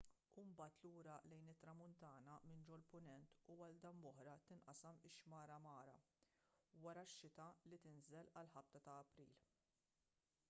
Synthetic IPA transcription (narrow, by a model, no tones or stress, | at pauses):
umbɐːt̪luːɾɐlɛjnɪt̪ːɾɐmʊnt̪ɐːnɐmɪnd͡ʒɔlpʊnɛnt̪uɐld̪ɐmːɔħɾɐt̪ɪnʔɐsɛmɪʃːmɐːɾɐmɐːɾɐ̰ | wɐɾɐʃːɪt̪ɐlit̪ɪnzɛlɐlħɐp̚t̪ɐt̪ɐːpɾḭːl